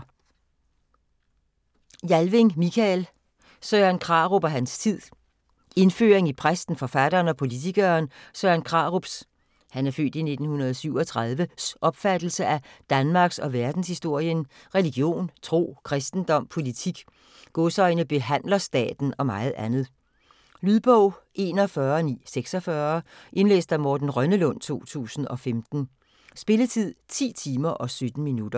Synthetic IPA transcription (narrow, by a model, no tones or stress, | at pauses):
jælʋe̝ŋmikʰæl | søænkʰʁɑ̰̈ʁo̝b̥æɦænst͡sʰið̰ˠ | e̝nfø̰ːʁeŋipʰʁasd̥n̩fɒ̽fæd̥ɐːnɒ̽pʰo̝lit͡sʰiɡ̥ɐnsøːænkʰʁɑ̈ːʁob̥s | hænæɐfø̰ːd̥ine̝d̥n̩hunɐð̩ˠsyʊɒ̽t͡sʰʁɑ̈ð̞ˠʋəsʔɒ̽b̥fæd̥l̩səʔæd̥ænmɑ̈ɡ̥sɒ̽ʋæɐd̥n̩shisd̥o̝ɐ̰jən | ʁɛliɡ̥jo̝̰ːnt͡sʰʁo̝̰ːkʰʁɛsd̥n̩d̥ɒ̽m̰pʰo̝lit͡sʰiɡ̥ | ɡ̥ɔsɒ̽ɪnəb̥e̝ɦæn̰lɐsd̥ɛ̰ːd̥n̩ɒ̽mɑ̈ɪð̞̩ˠænð̞̩ˠ | lyðˠb̥ɔʊ̰ʔe̝ːnɒfɶːɐnḭːseɡ̥sɒ̽fɶɐ | ʔe̝nlḛːsd̥æmɔːd̥n̩ʁɶnəlɔ̽n̰t͡sʰo̝̰ːt͡sʰṵːsn̩ɒ̽femd̥n̩ | sb̥e̝lət͡sʰið̞̰ˠt͡sʰḭːt͡sʰiːmɐʔɒ̽sød̥n̩minud̥ɐ